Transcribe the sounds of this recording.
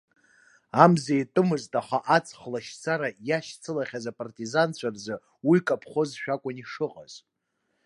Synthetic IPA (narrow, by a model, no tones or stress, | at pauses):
amzejtʼɨmɨztʼaχaʔat͡sʰʼχlaʃt͡sʰaɾajaʃt͡sʰɨlaχʲazapʼartʼizant͡ɕʷʰarzɨ | wikʼapʰχo̞zʃᶣakʷʼʊniʂɨqʼaz̥